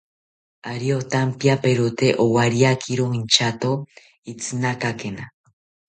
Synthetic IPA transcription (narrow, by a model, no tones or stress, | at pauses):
aɾiot̪ampiapeɾut̪eʔowaɾiakʰiɾoint͡ʃat̪o | it͡sɨnakakena